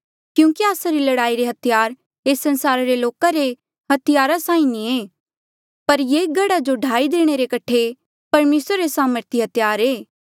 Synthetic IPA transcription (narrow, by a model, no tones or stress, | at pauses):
kjũːkiaːsaɾilɐɽaːiɾeɦɐt̪ʰɪjaːɾ | eːsːɐnsaːɾaɾeloːkaɾe | ɦɐt̪ɪjaːɾasãːĩnĩeː | pɐɾjeːɡɐɽad͡ʒoɖʱaːid̪eːɽ̃eɾekɐʈʰe | pɐɾmeːsɾaɾesaːməɾt̪ʰiɦɐt̪jaːɾeː